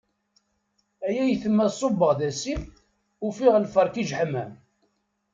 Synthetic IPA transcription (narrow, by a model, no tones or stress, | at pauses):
æjæjθəmːæsˤobːəʁðæsim | ufiʁlfɑɾˤkiʒħəmæ̰m